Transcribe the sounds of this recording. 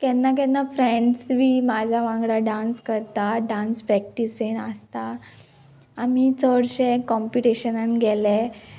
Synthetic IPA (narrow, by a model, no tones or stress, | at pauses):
kɛnːak̬ɛ̃nːafɾeɳɖsʋiːmad͡ʑʱjaʋãŋɡɽaɖãnskəɾt̪aɖãnspɾɛk̚ʈisenəst̪a | mit͡sɔɽɕẽkɔmpuʈeɕənanɡʱɛle